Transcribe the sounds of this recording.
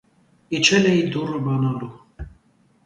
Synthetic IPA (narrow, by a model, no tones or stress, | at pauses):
it͡ʃʰɛlɛid̪urəbanalu